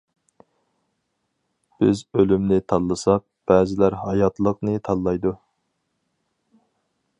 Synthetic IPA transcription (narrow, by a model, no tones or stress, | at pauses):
b̥ɪzølymnɪt̪ʰɑlˠːɨsɑq̚b̥æːzɪlæɾɦɑjɑt̪lˠəqnɨt̪ʰɑlˠlːˠɑjd̪u